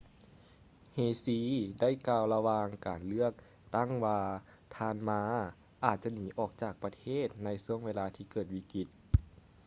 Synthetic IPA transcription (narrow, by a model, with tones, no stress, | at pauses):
heː˧˩siː˧˥da˥˩˨jkaː˧wla˧waː˧ŋkaː˨˩nlɯ˥˩ək̚ | t̪a˥˩ŋwaː˧ | t̪ʰaː˧nmaː˧˥ | ʔaː˨˩t̪̚t͡ɕa˧niː˨˦ʔɔː˨˩k̚t͡ɕaː˨˩k̚pa˧t̪ʰeː˥˩t̪̚na˧˥jsu˧˥əŋweː˧laː˧t̪ʰiː˧kɤː˨˩t̪̚wiː˧˩ki˧˩t̪̚